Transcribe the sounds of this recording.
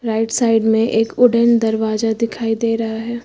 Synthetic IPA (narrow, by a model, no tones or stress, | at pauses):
ɾaːɪʈsaːɪɖmẽʔeːkʊɖənd̪ɐɾʋaːzad̪ɪkʰaːid̪eːɾɐɦaɦɛː